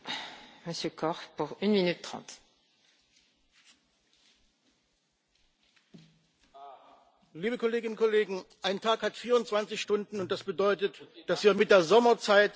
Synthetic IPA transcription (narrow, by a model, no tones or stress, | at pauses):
məsjøkʰɔʁpuʁynminyt̪ːχɑ̰̃t̪ | liːbəkɔleːɡɪnʊnkɔleːɡŋ̩ʔaɪntʰaːkhatfiːɐʁʊntt͡sv̥ant͡sɪçʃtʊndn̩ʊntd̥asb̥ədɔʏtətd̥asv̥iːɐmɪt̚d̥eːɐzɔmɐt͡saɪt